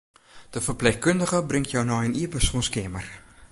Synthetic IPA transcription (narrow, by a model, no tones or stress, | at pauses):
d̥əfərplɛxkøndəɣəbrɪŋtjɔwnɔjəniəpəsunskɪəmər